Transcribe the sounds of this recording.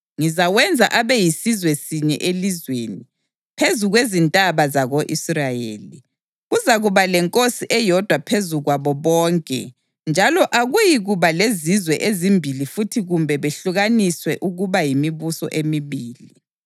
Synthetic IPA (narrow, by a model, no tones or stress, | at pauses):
ŋizaɣwɛnd͡zʱa̰ʔaβɛjisizwɛsiɲɛ̰ʔelizweni | pʰezuɣwezintʼaβazaɣoʔisrajḛːli | ɣuzaɣuβalɛŋkʼosiʔɛjɔd̥ʱwapʰezuɣwaβɔβɔːŋkʼɛ̰ | nd͡ʒʱalɔʔaɣujiɣuβalezizwɛʔezimbʱilifutʰiɣumbʱɛβeɬuɣaniswɛʔuɣuβajimiβusɔ̰ʔemiβiːli